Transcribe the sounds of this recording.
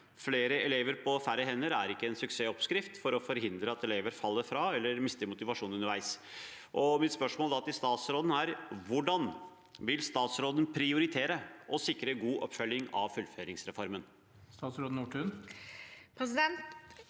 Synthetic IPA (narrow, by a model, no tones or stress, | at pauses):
fleːɾəɛleːʋəɾpʰɔfæɾəɦɛnːəɾæɾɪkːəɛnsʉkseːɔpskɾɪft̪fɔɾɔfɔɾɦɪnd̪ɾəɑt̪ɛleːʋəɾfɑlːəɾfɾɑɛlːəɾmɪst̪əɾmʊt̪ɪʋɑʂuːnʉnːəɾʋæɪs | ʔɔmɪt̪spœʂmoːld̪ɑt̪ɪst̪ɑːt̪sɾoːd̪n̩æɾʋʊɖɑn | ʋɪlst̪ɑːt̪sɾoːd̪ən̩pʰɾɪʊɾɪt̪ʰeːɾəʔɔsɪkːɾəɡuːʔɔpːfœlːɪŋɑ̰ʋfʉlːføːɾɪŋsɾɛfɔɾmən | st̪ɑːt̪sɾoːd̪n̩uːʈʰʉn | pʰɾɛsɪd̪ɛnt̪